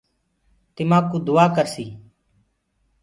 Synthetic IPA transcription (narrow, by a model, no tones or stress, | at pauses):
t̪ɪmãːkuːd̪ʊːaːkəɾsiː